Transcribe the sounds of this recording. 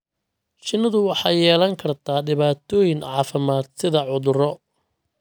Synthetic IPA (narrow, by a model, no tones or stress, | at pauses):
t͡ʃɪnːɐðʊwɑħɑjɛːlɐŋkʰɐrt̪ʰaːɖɪβaːt̪ʰɔːjɪŋʕɑːfɪmaːd̪̚sɪðɐʕʊðʊrɔ